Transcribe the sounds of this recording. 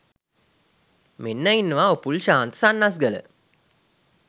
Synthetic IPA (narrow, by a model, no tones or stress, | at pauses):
menːæinːəʋaːopulʃaːnt̪ə̥sanːas̬ɡələ̰